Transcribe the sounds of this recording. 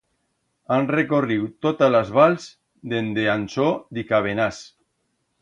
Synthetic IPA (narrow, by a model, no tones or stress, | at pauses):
anrekoriwt̪ot̪alazβalz | d̪end̪eansod̪ikaβ̞enas